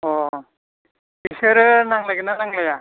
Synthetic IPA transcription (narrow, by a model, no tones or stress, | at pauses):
ɔ | isɯɾɯnaŋlaɡinanaŋlaja